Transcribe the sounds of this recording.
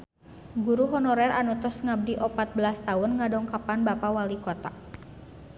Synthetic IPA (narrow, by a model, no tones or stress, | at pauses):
ɡuɾuɦɔnɔɾɛranut̪ɔsŋab̚diʔɔpat̪̚bəlast̪aʊnŋadɔŋkapanbapawalikɔt̪a